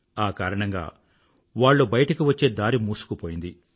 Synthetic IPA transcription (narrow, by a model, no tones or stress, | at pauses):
aːkaːɾɐɳɐŋɡa̰ː | ʋaːɭːubɐjɐʈɐkiʋɐt͡ʃːe̞ːd̪aːɾimuːsu̥kupoːjind̪i